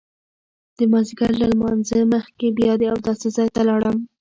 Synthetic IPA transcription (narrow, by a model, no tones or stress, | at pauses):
d̪̥əmɑziɡaɾlalmɑnzəməxkebjɑd̪eawd̪ɑsezɑjt̪alɑɽəm